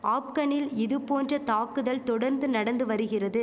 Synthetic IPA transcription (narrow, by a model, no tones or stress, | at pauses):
aːp̚kɐɳɪlɪðɯpoːndrɐt̪aːkɯðɐlt̪ɔɽɐɾnd̪ɯnɐɽɐnd̪ɯʋɐɾɯɣɪrɐðɯ